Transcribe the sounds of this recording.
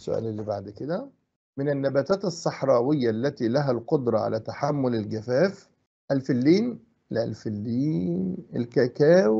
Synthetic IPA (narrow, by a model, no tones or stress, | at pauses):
sʊ̰ʔæ̰ːlelːibaʕd̪ked̪æ | mɪnænːæbæːt̪æːt̪ɑsˤːɑħɾˤɑːwɪjːælːæt̪iːlæɦælqod̪ɾˤɑʕa̰læːt̪aħamːʊlɪlɡæfæːf | ʔælfɪlːiːn | lælfɪlːiːnḛlkækæːw